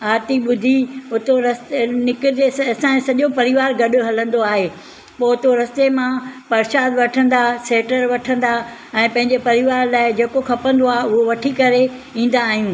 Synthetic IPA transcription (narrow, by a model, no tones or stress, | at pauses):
aːt̪iɓʊd̪ʱiʊt̪oɾɐst̪nɪkɪt̪esɐsãːẽsɐʄopɐɾɪʋaːɾɡɐɗʊ̆ɦɐlə̃nd̪oaːɦeː | poːʊt̪oɾɐst̪emãpɐɾʃaːd̪ʋɐʈʰə̃nd̪aseːʈəɾʋɐʈʰə̃nd̪a | ɛ̃ːpɐ̃ɦɪ̃ɲd͡ʑepɐɾɪʋaːɾlaːɪd͡ʑeːkokʰɐpə̃nd̪oaːɦeʊɦoʋɐʈʰikɐɾe | ĩːn̆d̪aːɦijũː